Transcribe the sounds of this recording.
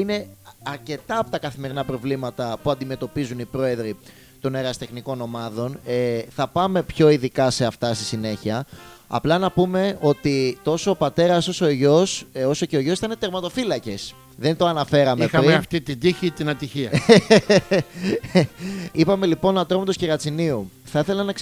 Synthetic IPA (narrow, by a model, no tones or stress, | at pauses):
ine̞ɐɾce̞t̪ɐːpo̞t̪ɐkɐθime̞ɾinɐpɾo̞vlimɐt̪ɐpuɐnd̪ime̞t̪o̞pizunipɾo̞e̞ðɾi | t̪o̞neɾɐst̪e̞xniko̞no̞mɐðo̞neθɐpɐme̞pço̞iðikɐse̞ɐft̪ɐst̪isine̞çiɐɐ̰plɐnɐpume̞o̞t̪it̪o̞soːpɐt̪e̞ɾɐso̞soʝo̞so̞so̞ceoʝo̞siθɐinet̪eɾmɐt̪o̞filɐce̞s | ðe̞nt̪o̞ɐnɐfe̞ɾɐmiexɐɐft̪it̪id̪içit̪inɐt̪içiɐ | ipɐme̞lipo̞nɐt̪ɾomɐt̪osceɣɐt͡siniu | θɐiθe̞lɐnɐks